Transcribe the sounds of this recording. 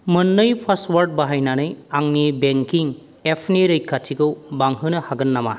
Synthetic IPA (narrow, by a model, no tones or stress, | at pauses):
mɯnːɯjpʰaswaɾd̚baɦajnanɯjaŋnibeŋkiŋ | epʰniɾɯjkʰːatʰiɡɯwbaŋɦɯnɯhaɡɯnːama